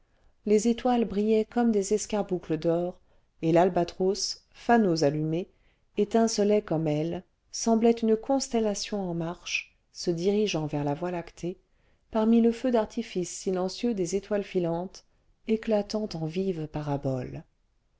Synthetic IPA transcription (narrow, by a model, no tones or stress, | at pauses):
lezet̪walbʁijɛkɔmd̪ezɛskaʁbukləd̪ɔʁ | elalbat̪χos | fanozalyme | et̪ɛ̃səlɛkɔmɛl | sɑ̃blɛt̪ynkɔ̃st̪ɛlasjɔ̃ɑ̃maʁʃ | səd̪iʁiʒɑ̃vɛʁlavwalakt̪ʰe | paʁmiləfød̪aʁt̪ifisːilɑ̃sjød̪ezet̪walfilɑ̃t̪ | eklat̪ɑ̃t̪ɑ̃vivpaʁabɔl